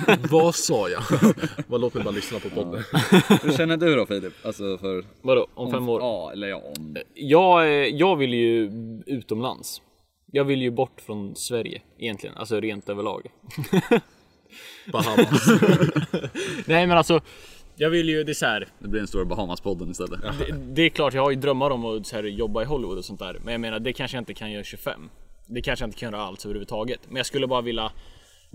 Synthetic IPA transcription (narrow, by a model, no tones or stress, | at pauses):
vasɑːja̰valoːt̪̚mɛɪbɑːɾalʏsnapʰɔpʰɔd̪ənhʉʃɛnːəɖɵɾɔfiːlɪpːalsɔfœɾvad̪oʔɔmfɛmːoːɾɛlːə | jɑːɡjɑːɡvɪlːjɵʉ̟ːt̪ɔmla̰ns | jɑːɡvɪlːjɵbɔʈːfɾɔnsvæɾjə̰ʔɪ̰jɛnt̪lɪɡə̰na̰ls̬ɔɾeːnt̪øːvəɭɑ̰ːɡ | b | nɛɪmɛnalsɔjɑːɡvɪlːjɵd̪ɛɛsɔæːɾd̪ɛblɪɾɛnst̪uːɾabaɦamaspʰɔd̪ənɪst̪ɛ̰lːə̰d̪ɛd̪ɛːklɑːʈjɑːɡhaɾjɵd̪ɾœmːat̪ɔmːɔsæːɾjɔbːaɪɦɔlɪvʊd̪ɔsɔnt̪æ̰ːɾmɛnjaɡmeːnaɖɛkʰanʂəjaɪnt̪əkʰanjœːɾɕɵfɛ̰mːd̪ɛkʰanʂəjaɪnt̪əkʰanjœːɾaa̰lt̪øːvəɾhʉvət̪ʰɑːɡət̪mɛnjaɡskɵlːəbɑːɾavɪlːa